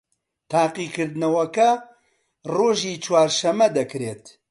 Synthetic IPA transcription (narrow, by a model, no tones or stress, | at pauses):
t̪ʰaːqiːkɨɾd̪ɨnɐwɐkɐ | roːʒiːt͡ʃʰwaːɾʃɐmːɐd̪ɐkɾeːt̪